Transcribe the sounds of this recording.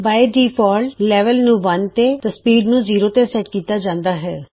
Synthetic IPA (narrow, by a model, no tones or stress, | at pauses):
baːeɖiːpʰɔːlʈlɛːʋəlnũːʋənt̪eːt̪ːspiːɖnũːziːɾoːt̪eːsɛːʈkiːt̪aːd͡ʒãːnd̪aːɦɛː